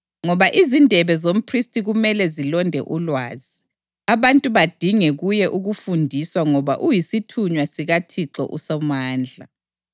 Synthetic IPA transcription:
ŋɔβaʔizindʱɛβɛzom̩pʰristʼiɣumɛlɛzilɔndʱɛ̰ʔulwaːzi | aβantʼuβad̥ʱiŋɛɣujɛʔuɣufundʱiswaŋɔβa̰ʔujisitʰuɲwasiɣatʰiǁɔ̰ʔusɔmaːnd͡ɮʱa̰

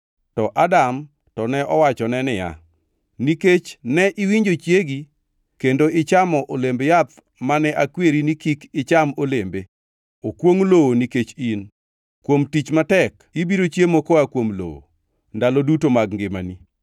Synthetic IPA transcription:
tɔʔadam | tɔnɛʔɔwat͡ʃɔnɛnɪja̰ | niket͡ʃnɛʔɪwiɲd͡ʒot͡ʃjeɡi | kendoɪt͡ʃamɔʔolembejat̪ | manɛʔakweɾinikikɪt͡ʃamolembe | okwoŋlowoniket͡ʃin | kwomtit͡ʃmatɛk | ibiɾot͡ʃjemokɔakwomlo̰wo̰ | ndalɔdutomaɡŋɡɪma̰ni

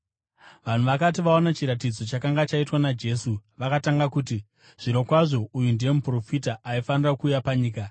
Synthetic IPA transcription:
ʋan̤uʋakat̬iʋaonat͡ʃiɾat̬id͡zo̞t͡ʃakaŋɡat͡ʃaitwanad͡ʒe̞suʋakataŋɡakuːti | ʐ̥iɾo̞kwaʐo̞ujundeemupro̞fitaʔːifanirakuːjapaɲiːka

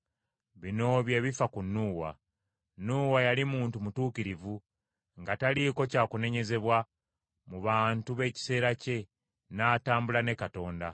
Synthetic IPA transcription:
βino̞βje̞ːβifakunːuːwa̰ | nːuːwajalimuːntumutuːkiɾivu | ŋɡataliko̞caːkune̞ɲe̞ze̞βwa | muβaːntuβe̞ːci̥se̞ːɾace̞ | naːtaːmbulane̞kato̞ːnda

